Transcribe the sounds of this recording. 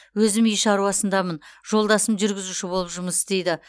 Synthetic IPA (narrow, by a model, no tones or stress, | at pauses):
wɵzɪmijʃɑɾuɑsənd̪ɑmənʒ̥o̞lˠd̪ɑsəmʒʏɾɡʲɪzuʃɪbo̞lˠəpʒʊməsɪzd̪e̞jd̪ɪ